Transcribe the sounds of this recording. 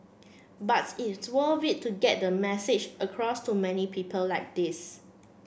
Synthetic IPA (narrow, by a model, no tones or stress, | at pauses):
batitswəvitːuɡɛt̚dəmɛsɪd͡ʒʔəkʰɹɔstumɛnipʰipʰəllaɪk̚dis